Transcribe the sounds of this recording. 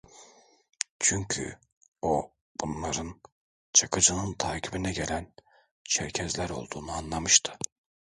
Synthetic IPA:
t͡ʃʰyɲcʰy̰ | o | b̥unlˠaɾɯn | t͡ʃʰakʰɯd͡ʒɯnɯnt̪ʰaːcʰibinɛɟe̞lʲæn | t͡ʃʰɛɾcʰɛzlʲæɾo̞̰lˠd̪uːnuanlˠamɯʃt̪ʰɯ̥

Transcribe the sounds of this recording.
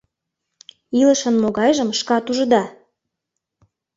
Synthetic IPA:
ilə̆ʃə̆nmoɣɑjʒə̆mʃkɑt̪uʒə̆d̪ɑ

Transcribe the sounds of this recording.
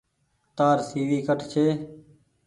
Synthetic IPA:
t̪aːɾsiːʋiːkəʈʰt͡ʃʰeː

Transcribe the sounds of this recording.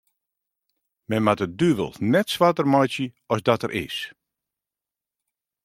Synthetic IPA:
mɛnmatədyʋə̰lˠnɛtsʋatərmɔjsjə | ɔsdɔtəɾʔɪ̰s

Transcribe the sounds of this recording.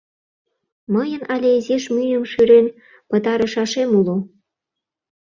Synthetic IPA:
məjə̆nɑlʲeizeʃmyjəmʃyɾen | pə̆t̪ɑɾə̆ʃɑʃemulo

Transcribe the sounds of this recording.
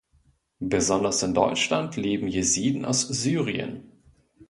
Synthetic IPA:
b̥əzɔndɐsɪndɔ̰ʏt͡ʃlantʰleːbm̩jeziːdn̩ʔa̰ʊsz̥yːʁiə̰n

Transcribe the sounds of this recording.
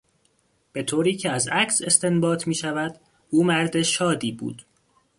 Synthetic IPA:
b̥e̞t̪ʰoːɾiːcʰeæzæcse̞st̪e̞nbɒːt̪ʰmiːʃævæd̪̥ | uːmæɾd̪e̞ʃɒːd̪iːbṵːd̪̥

